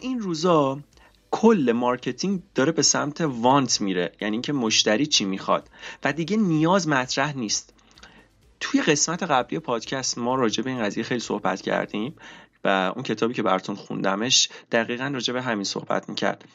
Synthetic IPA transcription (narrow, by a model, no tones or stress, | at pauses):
ʔinruːzɒ | kʰolːe̞mɒːɾcʰe̞t̪ʰiŋd̪̥ɒːɾe̞be̞sæmt̪ʰe̞vɒnt̪ʰmiːɾe̞jæniːŋcʰemo̞ʃt̪æɾiːt͡ʃʰiːmixɒ̰d̪̥væd̪iːɟe̞nijɒːzmæt̪ʰɾæhniːst̪ | t̪ʰuje̞ɣe̞smæt̪ʰe̞ɣæblije̞pʰɒːd̪̥cʰæst̪mɒːɾɒːd͡ʒe̞be̞iːnɢæziːje̞xejlisohbæ̰t̪cʰæ̰ɾd̪imvæʔṵncʰe̞t̪ʰɒːbiːcʰe̞bæɾɒt̪ʰunxṵnd̪æme̞ʃd̪̥æɣiːɣænrɒːd͡ʒe̞be̞ɦæmiːnso̞̰hb̥æ̰t̪ʰmḭːcʰæ̰ɾd̪̥